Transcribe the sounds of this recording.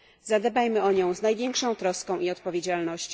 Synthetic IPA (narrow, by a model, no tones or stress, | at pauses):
zad̪ɛbajmɘɔɲɔ̃w̃znajvʲjɛŋkʂɔ̃w̃t̪ɾɔskɔ̃w̃iɔt̪̚pɔvʲed͡ʑalnɔɕt͡ɕ